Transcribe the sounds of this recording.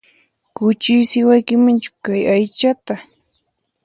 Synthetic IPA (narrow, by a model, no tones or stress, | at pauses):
kʊt͡ʃɪjsɪwajkɪmant͡ʃʊ̥kajajt͡ʃat̪a